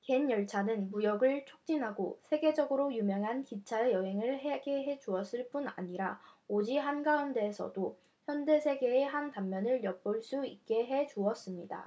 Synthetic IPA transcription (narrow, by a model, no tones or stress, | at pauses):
ke̞njʌɭt͡ɕʰanɯnmujʌɡɯɭt͡ɕʰok̚t͡ɕ͈inɦaɡosʰe̞ɡe̞d͡ʑʌɡɯɾojumjʌŋɦankit͡ɕʰaejʌɦe̞ŋɯɭɦeɡe̞ɦe̞d͡ʑuʌs͈ɯɭp͈una̰ɲiɾaod͡ʑiɦanɡaunde̞ːsʰʌ̰do | çjʌnde̞sʰe̞ɡe̞ːɦantamːjʌnɯɭjʌk̚p͈oɭs͈uik̚k͈e̞ɦe̞d͡ʑuʌs͈ɯmɲida̰